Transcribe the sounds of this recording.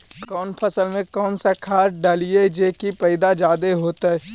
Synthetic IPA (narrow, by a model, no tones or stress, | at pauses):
kɔːnpʰɐsəlmẽkɔːnsakʰaːɾɖaːlied͡ʒeːkipɐɪd̪ad͡ʒaːd̪eɦoːt̪aɦɛː